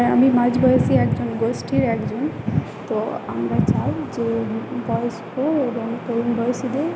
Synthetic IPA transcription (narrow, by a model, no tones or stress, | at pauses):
əmimad͡ʒbʱɔjsiɛkd͡ʒonɡosʈʰiɾɛkd͡ʒon | t̪ɔa̰mɾat͡ʃad͡ʒebɔjspoebɔŋpoɾunbʱɔjsid̪e